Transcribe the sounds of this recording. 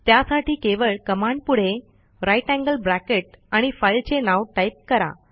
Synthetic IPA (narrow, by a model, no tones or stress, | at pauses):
t̪jasaʈiːkeʋəɭkəmaɳɖ̚puɽ̤e | ɾajʈæ̃ŋɡəlbɾækeʈ̚aɽ̃ifajlt͡senawʈajp̚kəɾa̰